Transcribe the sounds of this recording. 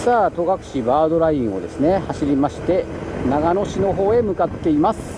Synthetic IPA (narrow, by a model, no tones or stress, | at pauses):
saːt̪o̞ɡakɯ̟̥ɕibaːd̪o̞ɾaĩɰ̃o̞̰d̪e̞sɨne̞haɕiɾʲimaɕi̥t̪e̞naɡano̞ɕino̞ɦo̞ːe̞mɯ̟kat̪ːe̞imasɨ̥